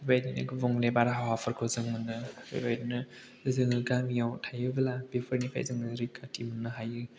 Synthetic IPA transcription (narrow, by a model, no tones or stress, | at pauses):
bbajdina̰ɡɯbɔŋlebaɾaɦawɦapʰɯɾkʰɯzɯŋmɯnːɯbḛbajdinɯ | zɯŋɯɡamijawtʰajɯbɐlabepʰɯɾnipʰa̰jzɯŋɯɾikʰatʰimɯnːɯɦajɯ